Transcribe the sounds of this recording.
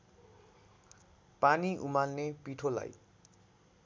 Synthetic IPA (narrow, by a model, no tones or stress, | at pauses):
paniʔumalnepiʈʰola̰j